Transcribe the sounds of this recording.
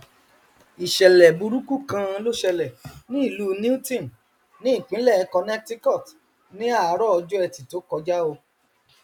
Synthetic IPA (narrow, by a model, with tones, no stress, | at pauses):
i˨ʃɛ˨lɛ˨bu˧ɾu˦ku˦˨kã˧lo˦ʃɛ˧lɛ˨nĩ˦i˦˨luː˦ni˦u˦tĩ˦˨m | nĩ˦i˦˨k͡pĩ˨˦lɛ˦˨ɛ˧kɔ˧nɛ˦k̚ti˦kɔ˦˨t | nĩ˦a˦˨˧ɾɔ˦ɔ˧d͡ʒɔ˦ɛ˧ti˨to˨˦kɔ˧d͡ʒa˦o˧